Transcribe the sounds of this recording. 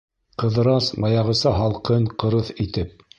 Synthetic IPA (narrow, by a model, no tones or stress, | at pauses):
qɤ̆ðɤ̆ɾɑsmɑjɑʁɤ̆sɑɦɑlˠqɤɴqɤ̆ɾɤθit̪ɘp̚